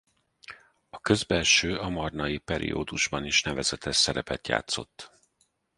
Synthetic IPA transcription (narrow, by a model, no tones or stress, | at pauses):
ɒkø̞zbɛlʃøːɒmɒrnɒjipɛɾḭo̰ːd̪uʒbɒniʃnɛvɛzɛt̪ɛʃsɛɾɛpɛt̪ja̰ːt̪so̞̰t̪ː